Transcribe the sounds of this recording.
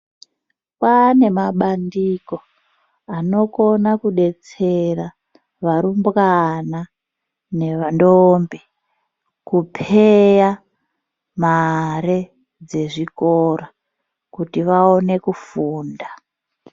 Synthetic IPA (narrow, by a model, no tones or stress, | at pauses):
pane̞maɓandiko̞ | ano̞ko̞nakuɗe̞t͡sera | ʋaɾumbɣana | ne̞ʋandombe | kupʰeja | maɾe | d͡ze̞ʐikora | kutiʋao̞ne̞kufuːnda